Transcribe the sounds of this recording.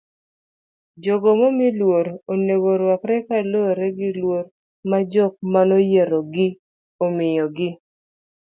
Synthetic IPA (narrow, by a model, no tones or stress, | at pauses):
d͡ʒɔɡomomilwoɾoneɡoɾwakɾɛkaloɾɛɡɪlwoɾ | mad͡ʒɔk̚manojeɾoɡɪ | omɪjɔɡɪ